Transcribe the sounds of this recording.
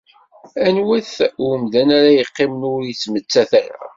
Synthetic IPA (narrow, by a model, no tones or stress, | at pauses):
ænwæθəmd̪ænaɾajəqːɪmənʊɾjit͡sːmət͡sːæθæɾa̰